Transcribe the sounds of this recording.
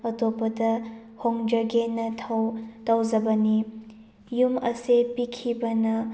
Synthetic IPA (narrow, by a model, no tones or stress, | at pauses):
ɐtopɐdɐhoŋd͡ʒɐɡenɐtʰtɐwzɐbɐni | jumɐsepikʰibɐnɐ